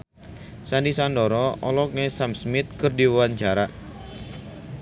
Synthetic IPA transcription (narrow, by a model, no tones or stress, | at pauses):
sandisandɔɾɔɔ̰lɔk̚nesamsmɪt̪̚kərdiwwaɲt͡ʃaɾaʔ